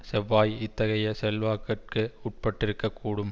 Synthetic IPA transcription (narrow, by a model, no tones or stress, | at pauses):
sɛʋːaːjɪt̪ːɐɣɐjɐsɛlʋaːkːɐʈ̚kɯʊʈ̚pɐʈːɪɾɯkːɐkːuːɽɯm